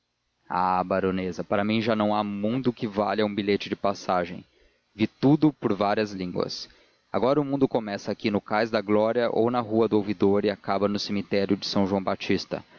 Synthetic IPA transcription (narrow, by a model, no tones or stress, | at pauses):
a̰baɾõnezɐpaɾɐmĩʒanɐ̃w̃amũnd̪ʊkɪvalɐũbiʎet͡ʃɪd͡ʒɪpasaʒẽj̃ | vit̪ud̪ʊpʊɾvaɾiɐzlĩŋɡwɐ̰s | a̰ɡɔɾɐʊmũd̪ʊkomɛsɐakinʊkajzd̪ɐɡlɔɾiɐʔo̰wnɐɦuɐd̪ʊowvid̪oɾɪakabɐnʊsimit̪ɛɾjʊd͡ʒɪsɐ̃w̃ʒuɐ̃w̃bat͡ʃist̪ɐ̰